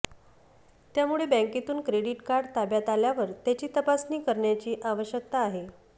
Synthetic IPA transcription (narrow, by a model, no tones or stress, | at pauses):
t̪jamuɭebə̃ŋket̪uːnkɾeɽiʈkaɾɖt̪abjat̪aljaʋəɾt̪jat͡ɕiːt̪əpasniːkəɾɳjat͡ɕiːʔaʋəɕjək̚t̪aːɦe